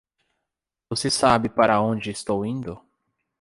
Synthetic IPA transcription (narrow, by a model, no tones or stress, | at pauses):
vosesabɪpaɾɐõnd͡ʒɪːst̪owĩnd̪ʊ